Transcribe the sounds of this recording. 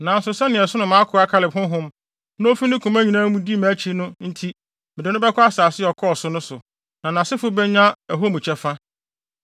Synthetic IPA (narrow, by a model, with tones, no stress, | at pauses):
nã˨n̩˨sʊ˨sɛ˦nɪ̃˨ɛ˨sʊ˦nʊ̃˨mã˨˦kʰʊ˨˦a˦kʰa˦lɪ˨bhʊ̃˦ɦʊ̃˦m | ñ˦fi˦nɪ̃˦kʰũ˨mæ˦ɲĩ˨nãː˦mũ˦di˦mã˨˦t͡ɕʰi˦nʊ̃˦n̩˦tʰi˦ | mɪ˨dɪ˨˦nʊ̃˦bɛ˦kʰʊ˦a˦saː˨sɪ˦ɔ˨kʰɔ˦˨sʊ˦nʊ̃˦sʊ˨ | nã˨nã˨sɪ˦fʊ˦bɛ˦ɲ˦ã˦æ˨ɦo˦mũ˨t͡ɕʰɛ˦fa˦